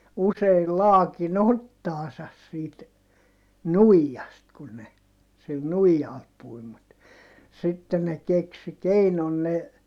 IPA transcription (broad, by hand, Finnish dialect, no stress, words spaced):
useil lɑːkin otːɑːsɑs siːt nuijːɑst kun ne sil nuijɑl pui mut sitːe ne keksi keinon ne